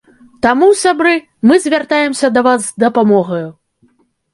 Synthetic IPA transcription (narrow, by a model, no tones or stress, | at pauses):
t̪amusʲabɾɨ | mɨzʲvʲart̪ajɛmsʲɐd̪ɐvazd̪ɐpamɔɣɐju